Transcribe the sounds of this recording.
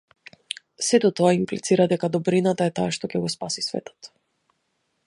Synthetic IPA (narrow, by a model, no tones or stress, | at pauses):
sɛt̪ɔt̪ɔaimplit̪siɾad̪ɛkad̪ɔbɾinat̪aɛt̪aaʃt̪ɔcɛɡɔspasisvɛ̰t̪ɔ̥t̪